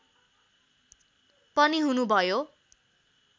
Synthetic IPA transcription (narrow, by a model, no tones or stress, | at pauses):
pʌniɦunubʱʌjo